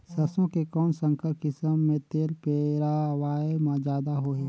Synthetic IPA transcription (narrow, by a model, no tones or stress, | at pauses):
sɐsõkekɔːnsə̃ŋkəɾkɪsəmːẽt̪eːlpeɾawaːemãd͡ʒaːd̪aɦoːɦeː